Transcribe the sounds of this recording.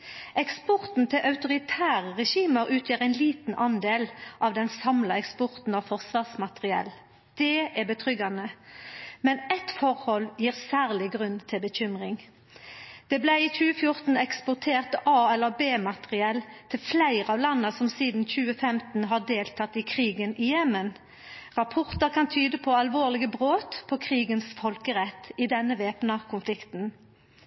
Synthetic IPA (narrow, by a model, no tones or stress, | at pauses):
ʔɛkspɔʁt̪n̩t̪ʰɪlʔɑʉt̪ʊʁɪt̪ʰæːʁəʁɛʃiːməɾʉːt̪ʰjøːʁæɪnliːt̪n̩ʔɑnd̪eːlʔɑʋd̪ɛnsɑmlɑɛkspɔʁt̪n̩ɑfɔʁsʋɑːʁsmɑt̪ʁɪɛ̰l | d̪̥ɛæʁbət̪ʰʁʏɡɑnə | mɛnɛt̪fɔʁhɔljiːʁsæːʁlɪɡʁʉnt̪ʰɪlbəçʏmʁɪŋ | d̪̥ɛːblæɪic͡çʉːəfjʊʁt̪n̩ɛkspʊʁt̪ʰeːʁt̪ʔɑːɛlːəbeːmɑt̪əʁɪɛlt̪ʰɪlflæɪʁəɑːʋlɑnːəsɔmsiːd̪n̩c͡çʉːəfɛmt̪n̩ɦɑd̪eːlt̪ʰɑt̪ːɪkʰʁiːɡənɪjɛmːən | ʁɑpʰɔʁt̪əʁkʰɑnt̪ʰyːd̪əpʰɔɑlʋoːʁlɪɡəbʁoːt̪pʰɔkʰʁiːɡənsfɔlkəʁɛt̪ːɪd̪ɛnːəʋeːpnɑkʰʊnflɪkt̪n̩